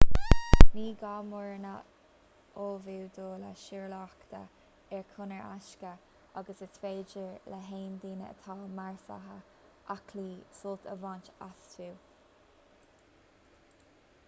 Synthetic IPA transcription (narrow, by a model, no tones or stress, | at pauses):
niːɡaːmʊɹnə | oːviwd̪oːlə̰ʃɪɹlɑːkt̪ə | ɛɹkʰʊnəɹʔa̰ʃkə | aɡəsətʰveːd͡ʒəɹləɦeːnd̪iːnə̰ə̰t̪ʰɑːmaɹsa̰ɦə | ʔakʰliːsʊlt̪ʰəvɑːnt͡ʃastʰuw